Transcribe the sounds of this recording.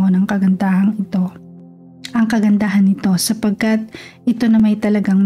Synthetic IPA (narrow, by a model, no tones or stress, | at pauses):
onɐŋkɐɡɐnd̪aːhɐŋɪt̪o̞ | ʔɐŋkɐɡɐnd̪aɦɐnɪt̪o̞sɐpɐɡ̚kɐt̪̚ʔɪt̪o̞nɐmɐjt̪ɐlɐɡaŋm